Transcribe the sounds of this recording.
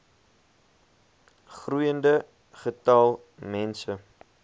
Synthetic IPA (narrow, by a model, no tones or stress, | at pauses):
χrujəndə | χətɐlˠ | mɛnsə